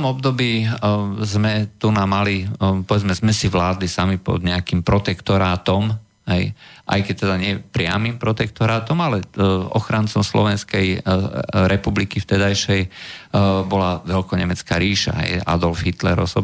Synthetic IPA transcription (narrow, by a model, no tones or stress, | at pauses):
ɔmɔb̚d̪ɔbiːzmɛt̪unamalipɔʋɛd͡zmɛzmɛsiʋlaːd̪lisamipɔ̰d̪ɲɛakimpɾɔt̪ɛkt̪ɔɾaːt̪ɔm | ɦɛjʔa̰jkɛc̚t̪ɛd̪aɲɪɛpɾɪa̰mimpɾɔt̪ɛk̚t̪ɔɾaːt̪ɔmalɛɔ̰xɾant͡sɔmslɔ̰ʋɛnskɛj | ɾʔɛpublikift̪ɛd̪ajʃɛj | bɔlaʋɛlkɔɲɛmɛt͡ska̰ɾiːʃa̰ɦɛ̰ja̰d̪ɔlfɦit̪lɛɾɔsɔ